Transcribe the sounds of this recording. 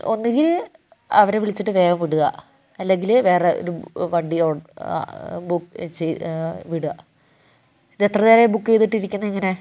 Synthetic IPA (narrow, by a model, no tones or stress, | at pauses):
o̞̰nːiɡil | ɐʋɐɾeʋiɭit͡ɕːiʈːɨʋe̞ːɡɐmʋiɽuɣɐ̰ | ɐlːe̞ŋɡilʋe̞ːreo̰ɾuʋɐɳɖio̰ː | bukːt͡ɕejʋiɽuɣɐ | ðet̪rɐðeɾebukːejt̪ːiʈːiɾikʲːunːɐiŋːɐne̞